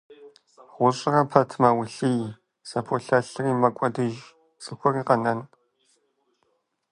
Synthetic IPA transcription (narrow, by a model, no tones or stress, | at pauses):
ʁʷʊɕʼɪrɐpʰɐtʰmɐwʊɬɨj | sɐpʰoɬɐɬɨriːmɐkʷʼɔdɨʒ | t͡sʼɨxʷɔriːqɐnɐn